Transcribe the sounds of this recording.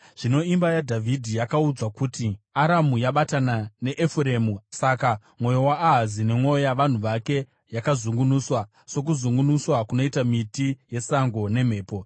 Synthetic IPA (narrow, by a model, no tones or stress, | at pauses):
ʐ̥ino̞imbajadʱavʱidʱijakaud͡zwakutiaɾamujaɓatanane̞ʔefuɾeːmusaka | mwo̞jowaːɦazine̞mwo̞jaʋan̤uʋake̞ | jakazuŋɡunuːswa | so̞k̬uzuŋɡunuswakuno̞itamitije̞saŋɡo̞ne̞m̤e̞ːpo̞